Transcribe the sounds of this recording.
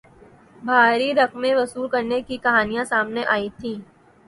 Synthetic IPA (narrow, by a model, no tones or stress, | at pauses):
bʱaːɾiɾɐqmẽʋɐsuːɾkɐɾnekikɐɦaːnijãsaːmneʔaːit̪ʰĩː